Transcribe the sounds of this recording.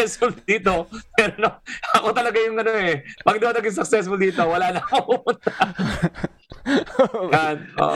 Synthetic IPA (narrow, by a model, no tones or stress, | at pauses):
ɛsfʊld̪iːt̪o̞pɛɾonoɐko̞t̪ɐlɐɡajʊŋʔɐnoɛpɐɡd̪ɐɐt̪ɐɡɪŋsɐk̚sɛsfʊld̪iːt̪o̞wɐlaːnɐkopupʊnt̪a | ano̰